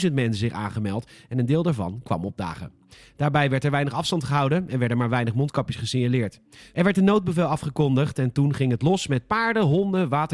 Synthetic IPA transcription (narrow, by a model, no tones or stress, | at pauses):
zəntmɛnsəzɪχa̰ːnχəmɛlˠtɛnəndɪːlˠdaːɹvɑ̰nkʋɑ̰mɔb̚da̰ːχə̰ | d̥aːɹbɛjʋɛɹtɛɹʋɛjnəχɑfstɑntχəɦɑwdəɛnʋɛɹdənmaːɹʋɛjnəχmɔntkɑpjəsχəsɪɲalɪːɹtʔɛɹʋɛɹtənowd̚bəvɛlˠɑfχəkɔndəχtɛntunχɪŋɦətlɔsmɛt̚paːɹdəɦɔndəʋaːtə